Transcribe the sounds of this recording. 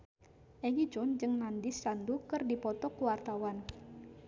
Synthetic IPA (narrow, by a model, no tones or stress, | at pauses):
ʔɛɡid͡ʒɔnd͡ʒɨŋnandisːandukɨrdipɔt̪ɔkuwart̪awan